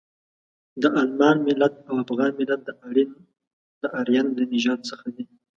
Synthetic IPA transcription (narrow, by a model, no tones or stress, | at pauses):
d̪əʔalmɑnmɪlat̪̚awafɣɑnmɪlat̪̚d̪əʔaɽin | d̪̥əʔaɾjanlənɪʒɑd̪̚səxad̪i